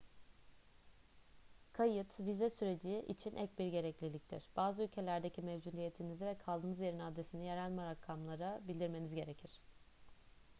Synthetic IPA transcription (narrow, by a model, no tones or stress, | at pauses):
kʰajɯt̪vizɛsyɾe̞d͡ʒiʔḭt͡ʃʰinʔɛc̚biɾɟe̞ɾɛclʲilʲic̚t̪ʰḭɾ̥b̥aːzɯylʲcʰe̞lʲæɾd̪ecʰimɛvd͡ʒud̪ijet̪ʰinizivɛkʰalˠd̪ɯːnɯzje̞ɾinad̪ɾesinijeɾælʲmɛɾakʰːamlˠaɾabilʲd̪iɾme̞nizɟe̞ɾecʰiɾ̝̥